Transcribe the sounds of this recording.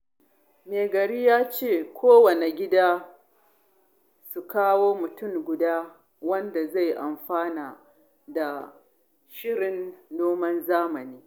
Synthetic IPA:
meː˨ɡɐ˨ɾiː˦jaː˦t͡ʃeː˦˨kʷoː˦wɐ˨ne˨ɡʲɪ˦daː˦ | su˨kaː˦woː˦mʊ˨tʊ˦˨ŋɡʷʊ˨daː˦ | wɐ˦nda˨za˦˨jʔa˨mɸaː˦naː˨ | da˨ | ʃɪ˦ɽɪ˨nːoː˦mɐ˦nzaː˦mɐ˨niː˦

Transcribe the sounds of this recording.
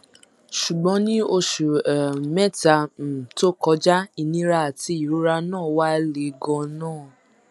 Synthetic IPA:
ʃu˨ɡ͡bɔ̃˨˦nĩ˦o˧ʃu˨ɛ˨mɛ˦˨ta˨˧˨to˦kɔ˧˦d͡ʒa˦i˧nĩ˦ɾa˧a˨ti˧˦i˨ɾu˨˦ɾa˧nãː˦˨wa˦le˨˦ɡɔ̃˧nãː˦˨

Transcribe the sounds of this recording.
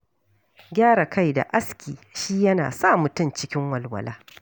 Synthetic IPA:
ɡʲaː˦ɾa˨ka˦˨jda̰˨ʔa˦skʲiː˨ʃiː˦jɐ˦na̰ː˨saː˦˨mʊ˨tʊ˦˨nt͡ʃɪ˦kʲɪ˦ŋwɐ˨lwɐ̰˨lʔa̰ː˦

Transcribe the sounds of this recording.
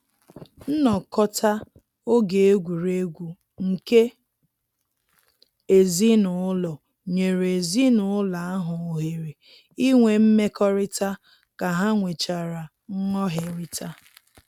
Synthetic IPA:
n̩˦nɔ˨kɔ˦tʰa˦ | o˦ɡe˨e˦ɡʷu˨ɾe˦ɡʷu˨ | ŋ̩˨ke˦ | e˨zi˦nʊ˨ʊ˦lɔ˨ | ɲe˨ɾe˨zi˦nʊ˨ʊ˦la˨a˦ɦʊ˨o˨ɦe˨ɾe˨ | i˦ŋʷe˨m̩˦me˦kɔ˦ɾɪ˦ta˦ | ka˨ɦa˦ŋʷe˨t͡ʃa˨ɾa˨ | ŋ̩˦ŋɔ˦ɦe˨ɾi˦tʰa˦

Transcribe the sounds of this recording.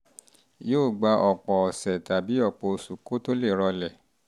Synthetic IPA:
joː˦˨ɡ͡ba˧˦ʔɔ˨k͡pɔ˨ɔ˨sɛ˨ta˨bi˨˦ɔ˦˨k͡pɔ˧˨˧su˨ko˨˦to˦le˦˨ɾɔ˧lɛ˨

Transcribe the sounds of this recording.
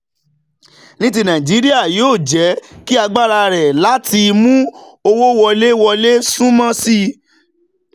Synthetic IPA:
nĩ˦t̬i˧nã˨ĩ˨d͡ʒi˨˦ɾi˦a˦˨joː˦˨d͡ʒɛ˨˦ki˦a˧ɡ͡ba˦ɾa˧ɾɛ˨la˨˦ti˧mũ˦o˧wo˦wɔ˧le˦wɔ˧le˦sũ˦mã˦si˦

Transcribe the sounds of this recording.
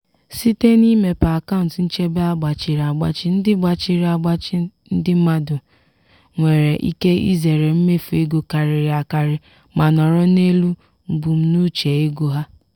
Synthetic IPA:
si˦te˦ni˦me˨pa˨a˨ka˦ʊ˨n̩˨tn̩˦t͡ʃe˦be˦a˦ɡ͡ba˨t͡ʃɪ˨ɾa˨ɡ͡ba̰˦t͡ʃɪ˦n̩˦dɪ˦ɡ͡ba˨t͡ʃɪ˦ɾi˦a˨ɡ͡ba˦t͡ʃɪ˦n̩˦dɪ˦m̩˦ma˦dʊ˨ | ŋʷe˨ɾe˨ʔḭ˦ke˦ḭ˦ze˨ɾe˨m̩˦me˦fu˨e˦ɡo˨ka˨ɾɪ˨ɾɪ˨a˨ka˨ɾɪ˦ | ma˨nɔ˨ɾɔ˦ne˦lu˦ | m̩˨bu˨m̩˦nu˦t͡ʃe˨e˦ɡo˦ɦa˦

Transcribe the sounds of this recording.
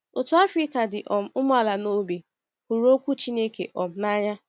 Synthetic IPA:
o˨tʊ˦a˦fɾi˦ka˨dɪ˨ʔɔ˨m̩˦ʊ˦mʊ˦a˨la˨no˦be˨ | kʷu˨ɾo˦kʷu˦t͡ʃi˦ne˦kḛ˨ʔɔ˨m̩˦na˦ɲa˦

